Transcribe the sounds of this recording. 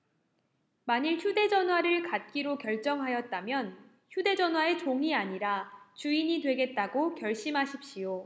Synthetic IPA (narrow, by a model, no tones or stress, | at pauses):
maɲiɭçude̞d͡ʑʌnɦwaɾɯɭkat̚k͈iɾokjʌɭt͡ɕ͈ʌŋɦajʌt̚t͈amjʌn | çjude̞d͡ʑʌnɦwae̞t͡ɕoŋiaɲiɾat͡ɕuiɲitwe̞ɡe̞t̚t͈aɡokjʌɭɕ͈imɦaɕʰip̚ɕ͈ijo